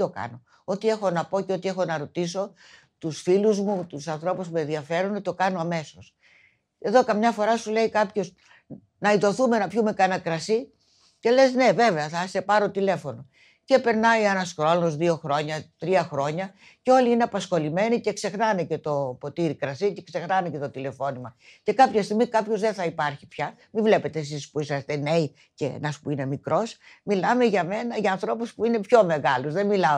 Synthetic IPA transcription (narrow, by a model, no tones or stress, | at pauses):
okɐ̰no | o̞t̪ie̞xo̞nɐpo̞ceo̞t̪ie̞xo̞nɐɾo̞t̪iso̞ | t̪usfiluzmut̪usɐnθɾo̞pusmuenðiɐfe̞ɾunet̪o̞kɐno̞ɐme̞so̞s | e̞ðo̞kɐmɲɐfo̞ɾɐsule̞ikɐpço̞s | nɐiðo̞θume̞nɐpçumekɐnɐkɾɐsi | ce̞le̞zne̞ve̞ve̞ɐθɐse̞pɐɾo̞t̪ile̞fo̞no̞ | ce̞pe̞ɾnɐjenɐskɾolozðio̞xɾo̞ɲɐt̪ɾiɐxɾo̞ɲɐ | ceo̞liine̞ɐpɐsxo̞lime̞nice̞kse̞xnɐnece̞t̪o̞po̞t̪iɾikɾɐsice̞kse̞xnɐnece̞t̪o̞t̪ile̞fo̞nimɐce̞kɐpçɐst̪iɣmikɐpçozðe̞nθɐipɐɾçipçɐ | mivle̞pe̞t̪e̞ːs̬ispuisɐst̪e̞ne̞i | ce̞ḛnɐspuine̞mikɾo̞smilɐme̞ʝɐme̞nɐʝɐːnθɾo̞puspuine̞pço̞me̞ɣɐluzðe̞milɐo